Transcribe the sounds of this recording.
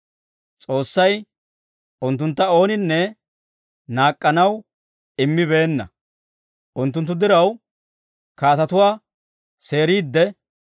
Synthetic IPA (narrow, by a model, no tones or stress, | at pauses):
t͡sʼo̞ːsːɐj | ʔʊnt̪ːʊnt̪ːɐo̞ːnɪnːɛ | naːkʼːɐnɐw | ɪmːɪβe̞ːnːɐ̰ | ʔʊnt̪̬ːʊnt̪ːʊd̪ɪɾɐw | kaːt̪ɐt̪ʊwaː | se̞ːɾiːd̪ːɛ